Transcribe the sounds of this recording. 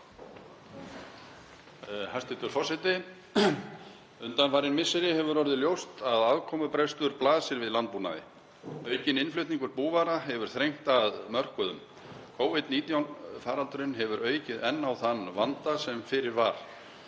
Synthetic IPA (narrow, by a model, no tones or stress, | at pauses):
hast̪ɪt̪ʏɾ̥fɔsɪt̪ɪ | ʏnt̪anfaːɾɪnmɪsːɪɾɪhɛvʏɾɔɾðɪljowst̪aðaðkʰɔːmʏpɾest̪ʏɾplaːðsɪɾvɪðlant̪̚puːɾna̰ðɪ̰ | œːɥcɪnɪnflœɥht̪niŋkʏɾpuːvaɾaɦɛvʏɾ̥θɾejŋ̥t̪aðmœr̥kʏðʏ̰m | kʰoːwvɪt̪niːt̪jawnfaːɾalt̪ʏɾʏnɦɛvʏɾœːɥcɪðɛnːawθanːvant̪asɛmfɪɾɪɾvaɾ̥